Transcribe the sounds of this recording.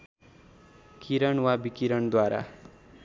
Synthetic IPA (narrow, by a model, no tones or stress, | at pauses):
kʰiɾʌɳwabikiɾʌɳd̪waɾa̰